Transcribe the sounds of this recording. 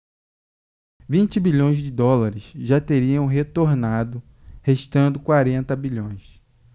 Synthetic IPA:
vĩnt͡ʃɪbiʎõj̃zd͡ʒɪd̪ɔlaɾɪsʒat̪eɾiɐ̃w̃ɦet̪oɾnad̪ʊ | heʃt̪ɐ̃nd̪ʊkwaɾẽnt̪ɐbiʎõj̃s

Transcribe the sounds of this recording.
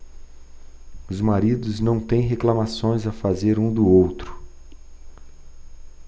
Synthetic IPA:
ʊzmaɾid̪ʊznɐ̃w̃t̪ẽj̃ɦeklamasõj̃zɐfazeɾũd̪ʊowt̪ɾʊ̥

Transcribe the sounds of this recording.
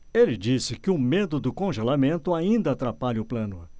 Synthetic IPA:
elɪd͡ʒisɪkɪʊ̃med̪ʊd̪ʊkõʒelamẽnt̪ʊaĩnd̪ɐːt̪ɾapaʎɐʊplɐ̃nʊ

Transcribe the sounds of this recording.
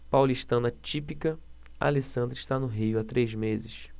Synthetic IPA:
pawliʃt̪ɐ̃nɐt͡ʃipikɐ | a̰lesɐ̃nd̪ɾɪʃt̪anʊɦijʊat̪ɾʔejzmezɪʃ

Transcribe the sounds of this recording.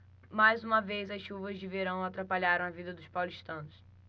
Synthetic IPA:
majzũmɐvejzɐsʃuvɐzd͡ʒɪveɾɐ̃w̃at̪ɾapaʎaɾɐ̃w̃ɐvid̪ɐd̪ʊspawliʃt̪ɐ̃nʊs

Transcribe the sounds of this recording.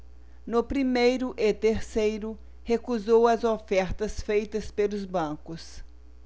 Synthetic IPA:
nʊpɾimejɾʊʔet̪eɾsejɾʊ | hekuzowɐzofɛɾt̪ɐsfejt̪ɐspelʊzbɐ̃kʊs

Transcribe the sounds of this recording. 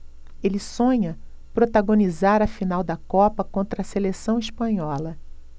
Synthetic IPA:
elɪsõɲɐ | pɾot̪aɡõnizaɾɐfinawd̪ɐkɔpɐkõnt̪ɾɐselesɐ̃w̃iʃpɐ̃ɲɔlɐ

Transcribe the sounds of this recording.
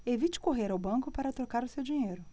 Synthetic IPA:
evit͡ʃɪ̥koɦeɾawbɐ̃ŋkʊpaɾɐt̪ɾokaɾʊsewd͡ʒiɲejɾʊ

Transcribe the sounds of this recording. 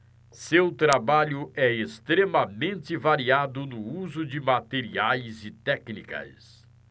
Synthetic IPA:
sewt̪ɾabaʎʊʔɛest̪ɾemɐmẽnt̪ɪvaɾiad̪ʊnʊuzʊd͡ʒɪmat̪eɾiajzɪt̪ɛknikɐ̰s

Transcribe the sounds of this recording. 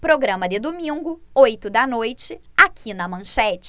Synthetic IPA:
pɾoɡɾɐ̃mɐd̪ɪd̪omĩŋɡʊojt̪ʊd̪ɐnojt͡ʃɪakʰinɐmɐ̃ʃɛt͡ʃɪ̥

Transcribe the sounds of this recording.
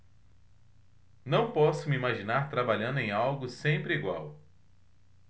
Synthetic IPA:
nɐ̃w̃pɔsʊmɪimaʒinaɾt̪ɾabaʎɐ̃nd̪ẽj̃awɡʊsẽmpɾɪiɡwa̰w

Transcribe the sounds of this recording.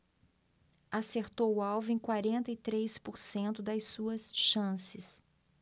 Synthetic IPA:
aseɾt̪owʊawvʊẽj̃kwaɾẽnt̪ɐɪt̪ɾejspoɾsẽnt̪ʊd̪ɐjsuɐsʃɐ̃sɪs

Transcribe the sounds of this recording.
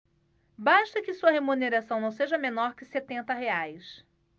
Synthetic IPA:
baʃt̪ɐkɪsuɐɦemuneɾasɐ̃w̃nɐ̃w̃seʒɐmẽnɔɾkɪset̪ẽnt̪ɐɦeajs

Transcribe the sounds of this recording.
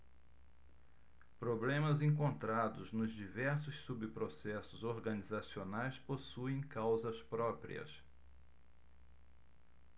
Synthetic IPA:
pɾoblẽmɐzẽk̬õnt̪ɾad̪ʊznʊzd͡ʒivɛɾs̬ʊssubpɾosɛsʊzoɾɡɐnizasionajsposuẽj̃kawzɐspɾɔpɾḭɐ̰s

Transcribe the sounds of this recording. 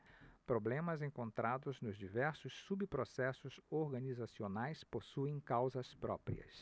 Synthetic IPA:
pɾoblẽmɐzẽŋkõnt̪ɾad̪ʊznʊzd͡ʒivɛɾsʊsːubpɾosɛsʊzoɾɡɐnizasionajsposuẽj̃kawzɐspɾɔ̰pɾḭɐ̰s

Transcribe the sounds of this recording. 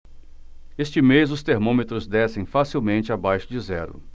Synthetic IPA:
est͡ʃɪmezʊst̪eɾmõmet̪ɾʊzd̪ɛsẽj̃fasiwmẽnt͡ʃɪabajʃʊd͡ʒɪzɛɾʊ̰

